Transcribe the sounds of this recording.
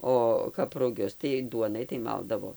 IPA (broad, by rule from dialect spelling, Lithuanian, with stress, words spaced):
ˈoː kɐp rʊˈɡʲʊs tɐɪ ˈduɔnɐɪ tɐɪ ˈmɐlˠdɐʋoː